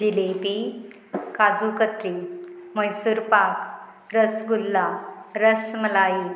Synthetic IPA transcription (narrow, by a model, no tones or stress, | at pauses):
d͡ʑilepi | kad͡zukət̪ɾiməjsuɾpak | ɾəsɡulːaɾəsməlai